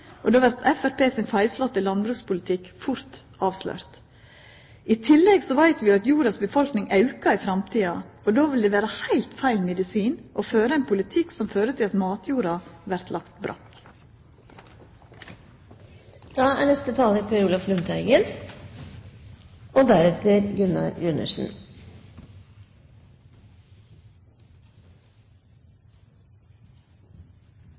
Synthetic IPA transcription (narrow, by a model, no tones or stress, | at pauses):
ʔɔd̪oːʋæɾt̪ʰɛfæɾpeːsɪnfæɪslɔt̪ːɪlɑnbɾʉːkspʊlət̪ʰɪkfʊɾt̪ | ɑːʋslœ̰ːɾt̪ | ʔɪt̪ʰɪlːɛɡsɔʋæɪt̪ʋɪɑt̪juːɾɑsbəfɔlknɪŋʔɑʉkɑɪfɾɑmt̪ʰiːɑ | ɔd̪oːʋɪld̪ɛːʋæːɾəhæɪlt̪fæɪlmɛd̪ɪsiːnʔɔføːɾəɛnpʰʊlɪt̪ʰɪksɔmføːɾət̪ʰɪlɑt̪mɑːt̪juːɾɑʋæɾt̪ʰlɑkt̪bɾʔɑ̰k | d̪̥ɑːæːɳɛst̪ət̪ʰɑːləɾpʰɑɾuːlɑflʉnt̪ʰæɪɡən | ɔd̪æɾɛt̪əɾɡʉnɑ̰jʉnə̰ʂn̩